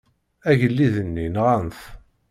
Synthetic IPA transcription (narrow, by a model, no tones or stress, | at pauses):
æʝəlːiðənːinʁanθ